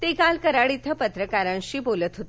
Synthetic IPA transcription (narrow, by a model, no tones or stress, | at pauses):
t̪ekalkəɾaɽit̪ʰːəpət̪ɾəkaɾãnɕiːbolət̪ɦot̪